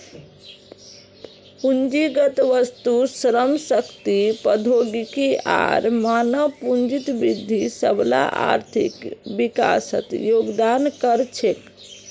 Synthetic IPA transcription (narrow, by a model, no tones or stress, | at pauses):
pund͡ʒiɡət̪ʋəst̪usɾəmsəkt̪ipəd̪ʱoɡikia̰ɾmanəʋpund͡ʒit̪bɾid̪ʱːisəbla̰ʔa̰ɾt̪ʰḭkbika̰sə̰t̪joɡd̪ankəɾt͡ʃʰek